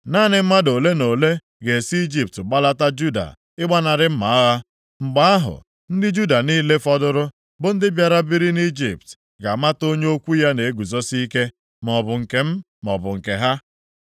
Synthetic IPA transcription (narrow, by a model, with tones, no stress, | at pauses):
naː˦˨nɪ˨m̩˦ma˦do˨le˦no˨le˦ | ɡe˨si˦i˦d͡ʒi˨p̚tɡ͡ba˦la˦ta˦d͡ʒu˦da̰˨ | ɪ˦ɡ͡ba˦na˨ɾɪ˦m̩˦ma˨a˦ɣa˦ | ŋ͡m̩˨ɡ͡ba˦a˦ɦʊ̰˨ | n̩˦dɪ˦d͡ʒu˦da˨niː˦le˦fɔ˦dʊ˦ɾʊ˦ | bʊ˦n̩˦dɪ˦bja˨ɾa˦bi˦ɾi˦ni˦d͡ʒḭ˨p̚t | ɡa˨ma˦to˦ɲ˦o˦kʷu˦ja˦ne˨e˦ɡu˨zo˦si˦ke˦ | m˨ɔ˨bʊ˨ŋ̩˨ke˨m̩˦ | mɔ̰˨bʊ˨ŋ̩˨ke˨ɦa˦